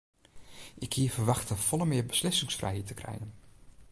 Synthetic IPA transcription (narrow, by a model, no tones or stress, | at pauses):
ʔɪkhiːəfəɹʋɑxtəfɔləmɪəɹbəslɪsɪŋsfrʔɛ̰jɦitəkrɛ̰jən